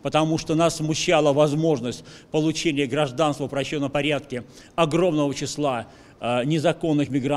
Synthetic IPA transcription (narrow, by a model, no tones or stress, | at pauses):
pət̪ɐmuʂt̪onassːmʊɕːalˠəvɐzmo̞ʐnəsʲtʲpəlˠʊt͡ɕenʲɪjəɡɾɐʐd̪anst̪vəpɾɐɕːot̪ːəpɐɾʲat̪̚kʲɪ | ɐɡɾo̞mnəvət͡ɕɪslˠa | nʲɪzɐko̞nːɨxmʲɪɡɾa